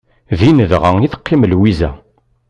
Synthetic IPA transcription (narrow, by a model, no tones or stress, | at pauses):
ðinəðʁəiθə̥qːiməlwizæ̰